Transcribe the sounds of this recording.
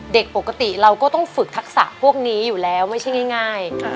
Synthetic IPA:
de˨˩k̚po˨˩ka˧t̪i˨˩ɾa˧wkɔː˥˩t̪ɔ˥˩ŋfɯ˨˩k̚t̪ʰa˦˥k̚sa̰˨˩ʔpʰu˥˩ək̚niː˦˥juː˨˩lɛː˦˥wma˥˩jt͡ɕʰa˥˩jŋa˥˩jŋaː˥˩j

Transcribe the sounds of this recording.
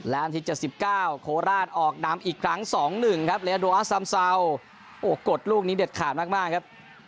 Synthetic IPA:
lɛː˦˥nt̪ʰiː˦˧˩t͡ɕe˨˩t̪̚si˨˩p̚kaː˥˩wkʰoː˧ɾaː˥˩nʔɔː˨˩k̚na˩˦mʔiː˨˩kʰɾa˦˥ŋsɔː˩˦ŋnɯ˨˩ŋkʰa˦˥p̚le˧˥a˧doː˧ʔa˦˥sa˧msa˧w | ʔoː˧˩ko˨˩t̪̚luː˥˩k̚niː˦˥de˨˩t̪̚kʰaː˨˩maː˥˩k̚maː˥˩kʰa˦˥p̚

